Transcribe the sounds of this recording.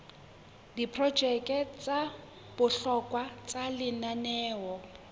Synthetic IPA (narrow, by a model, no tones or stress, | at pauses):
dipʰrɔd̥d͡ʒ̥ʱɛkʼɛt͡sʼa | b̥ʊɬɔkʼwat͡sʼalɪnanɛːwɔ